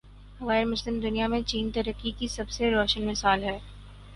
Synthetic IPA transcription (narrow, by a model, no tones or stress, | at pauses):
hɐʋaːɪɾmʊslɪmd̪ʊnijamẽt͡ʃiːnt̪ɐɾəkːikisɐbseɾɔːʃənmɪsaːlɦɛː